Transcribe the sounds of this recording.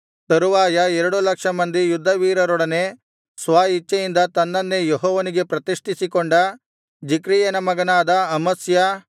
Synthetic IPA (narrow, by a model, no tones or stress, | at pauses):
t̪ɐɾuʋaːjɐɛɾɐɽulɐkʂɐmɐnd̪ijud̪ʱːɐʋiːɾɐɾɔɽɐne̞ | sʋaːit͡ʃːɐjind̪ɐt̪ɐnːɐnːejeɦɔːʋɐniɡe̞pɾɐt̪iʂʈʰisikoɳɖɐ | d͡ʒikɾiːjɐnɐmɐɡɐnaːd̪ɐɐmɐsjɐ